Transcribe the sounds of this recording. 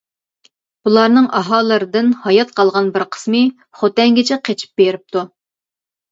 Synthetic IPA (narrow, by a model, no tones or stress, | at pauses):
b̥ulˠɑɾnɨŋʔɑɦɑːlˠɨɾɨd̪ɨnhɑjɑt̪̚qʰɑlˠʁɑnbɪɾqʰə̥smɨ | χot̪ɛŋɡʲɪt͡ʃʰɛqʰet͡ʃʰi̥p̚beɾɪp̚t̪ʰu